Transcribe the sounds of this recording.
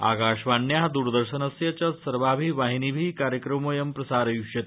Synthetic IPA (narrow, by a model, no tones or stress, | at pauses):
a̰kaɕʋanːjeɦad̪uɾd̪əɾɕənəsjɐt͡ɕasəɾʋabʱiːʋaɦinibʱiːkaɾjəkɾəmojɐmpɾɐsaɾjuʂjət̪